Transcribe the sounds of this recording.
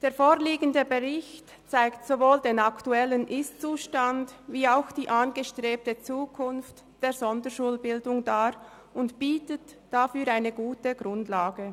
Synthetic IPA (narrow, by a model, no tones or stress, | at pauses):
d̥eːɐfoːliːɡən̩dəbəʁɪçt | t͡saɪktsovoːldeːnaktuɛlənʔɪstt͡suːʃtandviːaʊxd̥iːʔanɡəʃtʁeːp̚tət͡suːkʰʊnft | d̥eːzɔndəʃuːlbɪldʊŋdaːɾ | ʊntb̥iːtətd̥afyːɾaɪnəɡuːtəɡ̥ʁʊndlaːɡə